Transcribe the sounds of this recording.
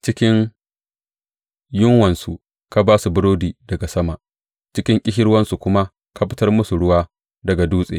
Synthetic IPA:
t͡ʃɪ˦kʲɪ˦ŋ | jʊ˦ŋwɐ˨nsṵ˨ | ka˦baː˦su˨bʊ˦ɽoː˦diː˨dɐ˨ɡa˨sɐ˦ma˨ʔ | t͡ʃɪ˦kʲɪ˦ŋkʲʼɪ˦ʃɪ˦ɽwɐ˦nsu˨kʷʊ˦ma˦ | ka˦ɸɪ˦tɐ˦rmʊ˦su˨ɽʊ˦waː˦ | dɐ˨ɡa˨duː˦sʼḛː˨

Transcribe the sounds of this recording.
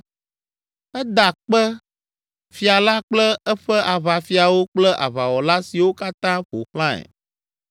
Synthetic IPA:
ɛ˦d̪a˨k͡pɛ˦ | fi˨a˨la˦k͡plɛ˦ɛ˦ɸɛ˦ʔa˨βa˨fi˨a˨wo˦k͡plɛ˦ʔa̰˨βa˨wɔ˨la˦si˨wo˦ka˦t̪ã˦ɸo̰˨xlã˦ɛ̰˨

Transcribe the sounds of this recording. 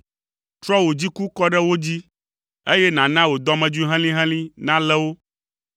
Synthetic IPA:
t̪ɾɔ˦wo˨d͡ʑi˦ku˦kɔ˦ɖɛ˦wo˦d͡ʑi˦ | e˦jɛ˦nã˨nã˦wo˨d̪ɔ˦mɛ̃˨d͡ʒu˦i˦ɦɛ̃˦lĩ˦ɦɛ̃˦lĩ˦nã˦lɛ˦wo˦

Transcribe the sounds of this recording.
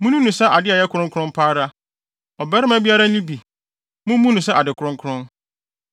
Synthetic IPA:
mũ˦nũ˦nũ˨sɛ˦ʔa˨dɪ˦a˨jɛ˦kʰʊ˨ɾʊ̃˦ŋkʰɾʊ̃˦m˦pʰaː˦ɾa˦ | ɔ˨bɛ˦ɾɪ˦mæ˦bi˦a˦ɾa˦nĩ˦bi˨ | mũ˦mːũ˦nũ˨s̬ɛ˦a˨dɪ˨kʰʊ˨ɾʊ̃˦ŋkʰʊ˦ɾʊ̃˦n

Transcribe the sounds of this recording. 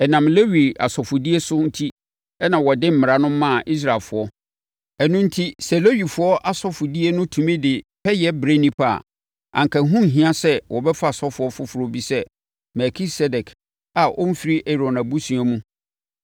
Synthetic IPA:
ɛ˨nã˨mle˦wi˨a̰˨sɔ˨fʊ˨di˦e˦sʊ˦n̩˦tʰi˦ | ɛ˦nã˨wɔ˨dɪ̃˦m̩˦mɪ̃˨ɾa˦nʊ̃˦mː˦ã˦˨ʔi˦s̬ɾa˨lfʊ˨ɔ˦ | ɛ˨nʊ̃˦n̩˦tʰi˦sɛ˨lo˦ɥi˨fʊ˨˦ɔ˦ʔa˨sɔ˦fʊ˨di˦e˦nʊ̃˦tʰũ˨mẽ˦dɪ˨pʰɛ˦jɛ˦bɾe˦nĩ˦pʰa̰˦˨ | ã̰˨ŋ˨kʰa˨˦ɦũ˦m̩˨ɦĩ˦ã˦sɛ˦wʔɔ˨bɛ˦fa˦˨sɔ˦fʊ˨˦ɔ˦fʊ˦fʊ˨ɾo˦bi˦sɛ˦ | mɛ˨kʰi˦sɛ˦dɛ˨kʰ | a˨ʔɔ˦m̩˦fi˦ɾi˦ʔɛ˨ɾɔ̃˨na˨bu˦sũ˨a˦mũ˦

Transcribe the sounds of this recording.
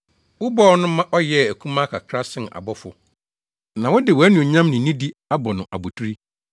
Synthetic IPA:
wʊ˦bɔː˦nʊ̃˦mã˦ʔɔ˦jɛ˦˨æ˨kʰũ˦mã˦kʰa˨kʰɾa˦sɪ̃˨n˨a̰˨bɔ˦fʊ˦ | nã˨wʊ˦dɪ˨wɔ˨æ˦nũ˨ɲã˦mnʊ̃˨nĩ˦di˦a˦bɔ˨nʊ̃˨ʔa̰˨bu˨tʰu˦ɾi˦

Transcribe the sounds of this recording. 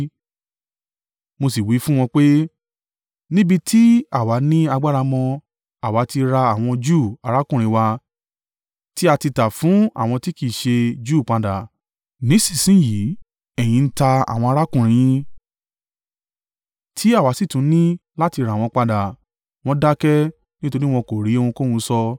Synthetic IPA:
mo˧si˨wi˨˦fũ˦w̃ɔ̃˧k͡pe˦ | nĩ˦bi˧tʰi˦a˦˨wa˨˦nĩ˦a˧ɡ͡ba˦ɾa˧mɔ̃˧ | a˨wa˨˦ti˧ɾa˧a˦˨w̃ɔ̃˧d͡ʒu˦˨a˧ɾa˦kũ˦˨ɾ̃ĩ˨˧˦wa˧ | ti˦a˧ti˧ta˨fũ˨˦a̰˦˨w̃ɔ̃˧ti˦ki˦˨ʃe˧d͡ʒuː˦˨k͡pa˧da˨ | nĩ˨˦si̥˦˨sĩ˨˦ji˨˦ | ɛ˦˨j̃ĩ˨˧n̩˦ta˧a̰˨w̃ɔ̃˧a˧ɾa˦kũ˦˨ɾ̃ĩ˨˦ĩ˦ | tʰi˨˦a˦˨wa˨˦si˦˨tũ˨˦nĩ˦la˦ti˧ɾa˨w̃ɔ̃˧k͡pa˧da˨ | w̃ɔ̃˧da˦kɛ˦ | nĩ˦to˧ɾi˦w̃ɔ̃˧ko˨ɾi˨˦˧wũ˧ko˦wũ˧˦sɔ˧

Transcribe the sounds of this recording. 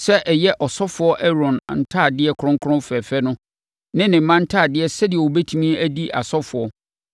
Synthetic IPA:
sɛ˦ʔɛ˨jɛ˦ʔɔ˨sɔ˦fʊ˨ɔ˦ʔɛ˦ɾɔ̃˨n˨n̩˨tʰaː˦˨dɪ˦ɛ˦kʰʊ˦ɾʊ̃˦ŋ˦kʰʊ˦ɾʊ̃˦mfɛ˨fɛ˦nʊ̃˦ | nɪ̃˦nɪ̃˨m̩˨˦mã˦n̩˦tʰaː˦˨dɪ˦ɛ˦sɛ˦dɪ˨ɛ˨wo˨bɛ˦tʰũ˦mĩ˦æ˦di˦ʔa̰˨sɔ˦fʊ˨ɔ˦

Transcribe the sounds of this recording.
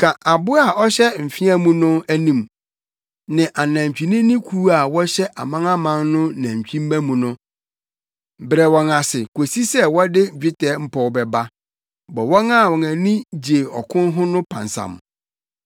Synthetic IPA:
kʰã˨ʔa˨bʊ˦a˨ɔ˦ɕɛ˦m̩˨fi˦a˦mũ˦nʊ̃˦æ˦nĩ˨m | nɪ̃˨ʔa˨nã˨m˨t͡ɕᶣi˨nĩ˦nĩ˦kʰu˦a˨wɔ˦ɕɛ˦ʔa̰˨mã˦ŋã˦mã˦nnʊ̃˦næ̃˨ɲ˨t͡ɕᶣĩ˦m˦mæ̃˦mũ˨nʊ̃˦˨ | bɾɛ˨wɔ̃˨na˨sɪ˨kʰo˨si˦sɛ˦wɔ˦dɪ˦˨d͡ʑᶣɪ˦tɛː˨˦m̩˦pʰɔ˨wbɛ˨ba˦ | bɔ˨wɔ̃˦ŋa˦˨wɔ̃˨næ̃˨nĩ˦d͡ʑe˨ɔ̰˨kʰʊ̃˦n˦ɦʊ̃˦nʊ̃˦pʰã̰˨nsã̰˨m˨

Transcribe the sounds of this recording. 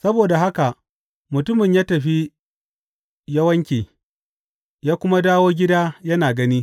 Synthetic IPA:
sɐ˦boː˨da˨ɦa˦ka˨ʔ | mʊ˨tʊ˦mɪ˨ɲjaː˦tɐ˨ɸi˦ | jɐ˦wɐ˦ŋkʲeː˨ | jaː˦kʷʊ˦ma˦daː˦woː˦ɡʲɪ˦daː˦jɐ˦naː˨ɡɐ˦niː˦

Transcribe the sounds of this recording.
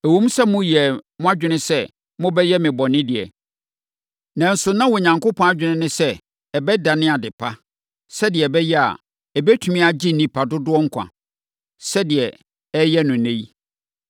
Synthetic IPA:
æ˨wõ˦m˦sɛ˦mʊ̃˦jɛ˨mʊ̃˦a˦d͡ʑᶣɪ˦nɪ̃˦sɛ˦ | mʊ̃˦bɛ˦jɛ˦mɪ̃˨bɔ˨nɪ̃˦dɪ˨ɛ̰˨ | nã˨n̩˨sʊ˨nã˦wɔ˨ɲã˨ŋkʊ˦pʰɔ̃˦a˦d͡ʑᶣɪ˨nɪ̃˦nʊ̃˦sɛ˦ | ɛ˨bɛ˦da˨nɪ̃˦a˨dɪ˨pʰa˦ | sɛ˦dɪ˨ɛ˨bɛ˦jɛ˦a̰˨ | ɛ˨bɛ˦tʰu˨mĩ˦a˨d͡ʑi˦˨nĩ˦pʰa˨dʊ˦dʊ˦ɔ˦ŋ̩˦kʷʰã̰˨ | sɛ˦dɪ˨ɛ˨ | ɛ˦jɛ˦nʊ̃˨nẽ˦i˦

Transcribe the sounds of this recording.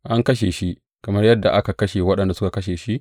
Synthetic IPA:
ʔa˦ŋkɐ˦ʃ̬e˨ʃi˦ʔ | kɐ˨mɐ˦rjɐ˦dːa̰˨ʔa˦ka˨kɐ˦ʃeː˨wɐ˦ɗɐ˨nda˨sʊ˦ka˨kɐ˦ʃeː˨ʃi˦ʔ

